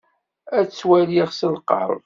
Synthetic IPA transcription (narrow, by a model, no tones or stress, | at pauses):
æt͡sːwæliʁsəlqə̰ɾˤ